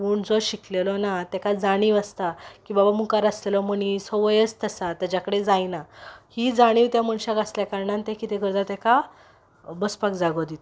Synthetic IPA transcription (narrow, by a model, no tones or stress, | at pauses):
puːɳd͡zɔɕiklelɔnat̪ɛkad͡zaɽ̃iʋast̪akiːbabamukaɾaslelɔməɽ̃isɔʋəjət͡st̪əsat̪ad͡ʑakəɽed͡zajnahid͡zaɽ̃iːʋt̪jaməɳɕakasljakaɾɳãnt̪ẽkit̪eɡəɾd͡z̪at̪ɛka | bəspakd͡zaɡɔd̪it̪